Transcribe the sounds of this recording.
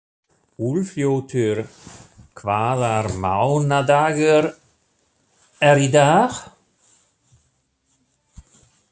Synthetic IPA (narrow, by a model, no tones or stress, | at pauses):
ulfjowt̪ʰøɾkʰvaːðaɾmawnad̪aːɣəɾ | ɛɾid̪aːx